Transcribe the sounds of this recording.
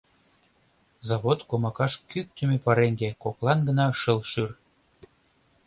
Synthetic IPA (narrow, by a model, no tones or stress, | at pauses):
zɑβot̪komɑkɑʃkyk̚t̪ə̆mepɑɾeŋɡekoklɑnɡə̆nɑʃəlʃyr